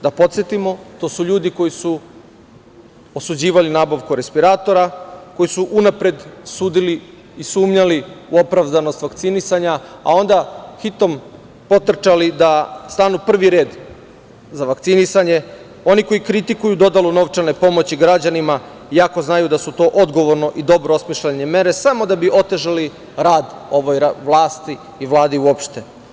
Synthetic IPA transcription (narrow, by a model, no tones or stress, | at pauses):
d̪apo̞t̪sjet̪imo̞t̪o̞ːsuʎuːd̪iko̞jisu | osud͡ʑiːʋalinaːbaʋkuɾe̞spiɾaːt̪o̞ɾako̞jisuʔunapɾe̞d̪suːd̪iliː | suːmɲaliuo̞pɾaʋd̪ano̞st̪ʋakt̪sinisaɲaa̰o̞nd̪axit̪o̞m | po̞t̪r̩t͡ʃalid̪ast̪anupr̩ʋiɾe̞ːd̪ | zaʋakt̪sinisaɲe̞ | o̞niko̞jikɾit̪ikujud̪o̞d̪aluno̞ʋt͡ʃane̞po̞mo̞t͡ɕiɡɾad͡ʑanima | jako̞znajud̪asut̪o̞ːʔod̪ɡo̞ʋo̞ɾno̞ʔid̪o̞bɾoosmiʃleɲeme̞ɾe̞samo̞d̪abiʔo̞t̪e̞ʒali | ɾaːd̪o̞ʋojʋlˠaːst̪i | iʋlˠaːd̪iuopʃt̪e